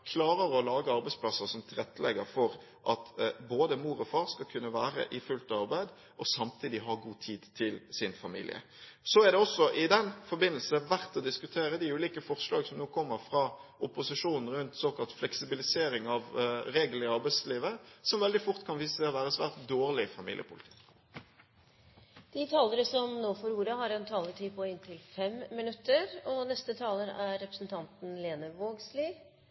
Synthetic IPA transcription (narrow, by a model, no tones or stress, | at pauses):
kʰlɑːɾəɾɔlɑːɡəɑɾbæɪspʰlɑsəsɔmt̪ʰɪlʁɛt̪ʰːəlɛ̰ɡəɾfɔɾ | ʔɑt̪boːd̪əmuːɾɔfɑːɾskɑlkʰʉnːəʋæːɾə̰ʔɪfʉlt̪ɑʋɑʁbæɪd̪ | ʔɔsɑmt̪ʰiːd̪ɪɦɑɡuːt̪ʰiːd̪t̪ʰɪlsɪnfɑmḭːlɪ̰ə̰ | sɔæʁd̪ɛɔsːɔʔɪd̪ɛnfɔɾbɪnəlsəʋæʁt̪ɔd̪ɪskʉt̪ʰeːɾəd̪ɪʉːliːkəfɔʁʂlɑːɡsɔmnoːkʰɔmːəɾfʁɑʔʊpʊsɪʂuːnn̩ɾʉnt̪soːkɑlt̪flɛksɪbɪlɪseːɾɪŋɑʋɾeːɡl̩ɪɑʁbæɪsliːʋəsɔmʋɛld̪ɪfʊʁt̪kʰɑnʋiːsəsɛɔʋæːʁəsʋæ̰ːʁt̪̚d̪oːʁlɪfɑmḭːlɪ̰ə̰pʰʊlɪt̪ʰɪ̥k | d̪̥ɪt̪ʰɑːləɾəsɔmnoːfɔɾuːɾəhɑɾɛnt̪ʰɑːləʈʰiːpʰɔɪnt̪ʰɪlfɛmːɪnʉt̪ːəɾɔnɛst̪ət̪ʰɑːləɾæɾːɛpɾəsnt̪ʰɑnt̪n̩leːnəʋoːɡsliː